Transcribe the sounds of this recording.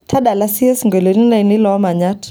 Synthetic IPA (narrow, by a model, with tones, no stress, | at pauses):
tʰa˦ɗa˨la˦si˦ɛ˦sŋɡɛ˨lɔ˨ni˦na˦i˨ni˦lɔ˨˦ma˨ɲa˦t